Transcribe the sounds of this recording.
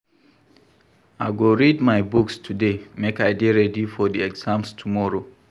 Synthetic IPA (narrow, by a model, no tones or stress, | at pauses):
aɪɡoɹidmajbukstʰudemekajdeɹɛdifɔdiɛɡzãmstʰumɔɹo